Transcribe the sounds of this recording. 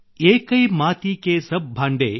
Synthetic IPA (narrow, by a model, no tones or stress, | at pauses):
eːkɐjmaːt̪ikeːsɐb̚bʱaːɳɖḛ